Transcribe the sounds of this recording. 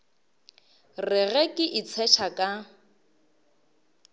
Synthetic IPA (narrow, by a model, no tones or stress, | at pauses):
rɪɣɛkʼɪʔit͡sʰɛʃʰakʼa